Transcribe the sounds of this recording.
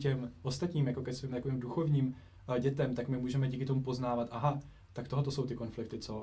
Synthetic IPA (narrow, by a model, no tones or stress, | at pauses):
cɛmʔo̞st̪at̪ɲiːmjako̞kɛsviːmt̪akoviːmduxo̞vɲiːm | ɟɛt̪ɛmt̪akmɪmuːʒɛmɛɟiːkɪt̪o̞mupo̞znaːvat̪ʔaɦa | t̪akt̪o̞ɦt̪oso̞wt̪ɪko̞nflɪk̚t̪ɪt͡so̞